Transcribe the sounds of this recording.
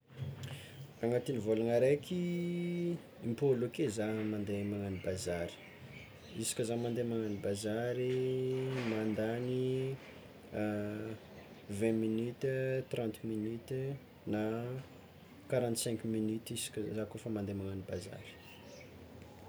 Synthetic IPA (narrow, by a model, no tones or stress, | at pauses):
aŋat̪inivolaŋaɾejkʰi | impolokezamand̪emaŋanibazaɾi̥ | isi̥kʲəzamand̪emaŋanibazaɾi | mand̪ani | vɛ̃minyt̪ət̪rãnt̪minyt̪ | na | kaɾãnt̪sɛ̃ŋkminyt̪isi̥kʲzakofəmand̪emaŋanibaza̰ɾi̥